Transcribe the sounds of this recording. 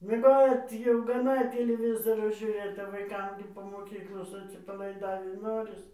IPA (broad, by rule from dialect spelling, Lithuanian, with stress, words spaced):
mʲiɛˈɡoːt jɛʊ ɡɐˈnɐ tʲɪlʲɪˈʋʲɪzoːroː ʒʲuːˈrʲeːt ʋɐɪˈkɐm ɡʲɪ poː moːˈkʲiːklˠoːs ɐtʲsʲɪpɐlˠɐɪˈdɑːʋʲiː ˈnoːrʲɪs